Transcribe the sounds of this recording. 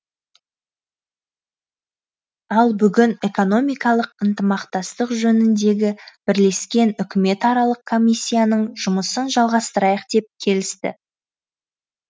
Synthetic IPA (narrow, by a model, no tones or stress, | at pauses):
ɑlˠbʏɡʲɪne̞ko̞no̞mijkɑlˠəqənt̪əmɑqt̪ɑst̪əqʒɵnɪnd̪e̞ɡʲɪb̥ɪɾle̞skʲe̞nʏkʲɪme̞t̪ɑɾɑlˠəqkʰːo̞mʲisʲːijanəɴʒ̥ʊməsənʒɑlˠʁɑst̪əɾɑjəq̚d̪e̞p̚kʲʰe̞lɪst̪ɪ̰